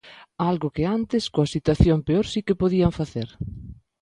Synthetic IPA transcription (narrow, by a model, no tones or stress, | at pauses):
alɣʊkɪant̪ɪskoɐsit̪waθjompeoɾsikɪpoðiɐɱfaθeɾ